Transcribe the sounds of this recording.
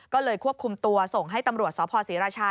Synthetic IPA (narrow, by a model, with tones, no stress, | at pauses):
kɔː˥˩lɤː˧jkʰu˥əp̚kʰu˧mt̪u˧ɐso˨˩ŋɦa˥˩jt̪a˧mɾu˨˩ət̪̚sɔː˩˦pʰɔː˧siː˩˦ɾaː˧t͡ɕʰaː˧